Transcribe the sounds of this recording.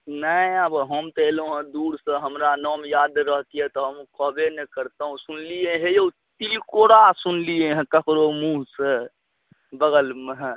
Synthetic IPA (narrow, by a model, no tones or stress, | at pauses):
nəiəbɦəmt̪eloɦə̃d̪uɾsə̃ɦəmɾanɔmjad̪ɾəɦt̪iet̪ɔɦəmkəbenɛkəɾt̪əɦũsunliẽɦejeu | t̪ilikoɽasunliẽɦẽkəkɾomũɦse | bəɡəlmeɦ